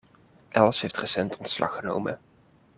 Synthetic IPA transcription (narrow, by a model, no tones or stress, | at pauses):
ʔɛlˠsɦejftrəsɛntʰɔntslʔɑ̰χəno̰wmə̰